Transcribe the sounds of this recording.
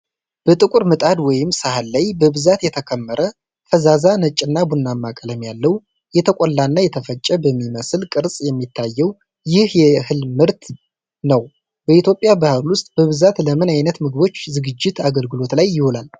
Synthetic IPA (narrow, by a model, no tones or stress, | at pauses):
b̥ət̪ʼɨkʷʼuɾmɨt̪ʼad̪wɔjɪmsəhalːajbəbɨzat̪jɛt̪ʰəkʰəmːəɾʔə | fəzazanət͡ʃʼːɨnːabunːamːakʼələmjalːəw | jɛt̪ʰəkʷʼolːanːajɛt̪ʰəfət͡ʃʼːəbəmːiməslkʼɨɾsʼjɛmːit̪ʰːajːɛw | jɪhjɛhɨlmɨɾt̪ | nəw | bəit̪ʰjo̞pʼːjabahalwʊst̪ʼb̥əβɨzat̪ləmɨnajnət̪mɨɡɨβo̞t͡ʃːzɨɡɨd͡ʒːɪt̪ʰaɡəlɡɨlo̞t̪lajːɪholal